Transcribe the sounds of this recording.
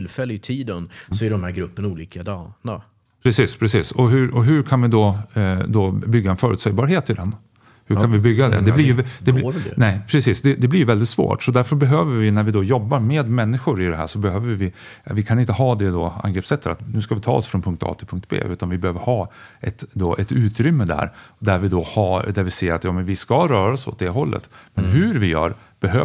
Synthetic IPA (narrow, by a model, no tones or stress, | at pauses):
lfɛlːəɪt̪ʰiːd̪ənsɔæɖɔmhæɾɡɾɵpːənuːliːkad̪ɑːna | pʰɾɛsiːspʰɾɛsiːsɔɦʉɔɦɵɾkʰanvɪd̪ɔd̪ɔbʏɡːaɛnfœːɾʉːt̪sɛjbɑːɾɦeːt̪ɪd̪ɛn | hɵɾkanvɪbʏɡːad̪ɛ̰d̪ɛlɪjdd̪ɛnɛɪpʰɾɛsiːsd̪ɛd̪ɛblɪjɵvɛld̪ɪt̪svo̰ːʈsɔd̪æɾfœɾbɛɦøːvəɾvɪnæɾvɪd̪ɔjɔbːaɾmeːd̪mɛnːɪɧʊɾɪd̪ɛɦæ̰ːʂɔbɛɦøːvəɾvɪvɪkʰanɪnt̪əɦɑːd̪ɛd̪ɔa̰ŋɡɾeːpsɛt̪ːət̪a̰t̪nʉ̟ːskavɪt̪ʰɑ̰ːɔsfɾɔnpʰɵŋk̚t̪ʰɑ̰ːt̪ʰɪlpʰɵŋkt̪̚bʰḛːʔʉ̟ːt̪anvɪbɛhøːvəɾhɑːɛt̪d̪oʔɛt̪ʉ̟ːt̪ɾʏmːəd̪æ̰ɾd̪æɾvɪd̪ɔhɑːd̪æɾvɪseːɾa̰t̪jɑːmɛnvɪskaɾœːɾaɔsɔ̰t̪̚d̪ɛɦɔlːə̰t̪mɛnɦʉɾvɪjœ̰ːɾ | b̥ɛɦøː